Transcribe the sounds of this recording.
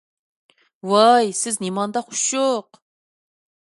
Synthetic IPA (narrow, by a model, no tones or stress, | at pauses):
wɑjsɪznimɑnd̪ɑχʊ̥ʃjoq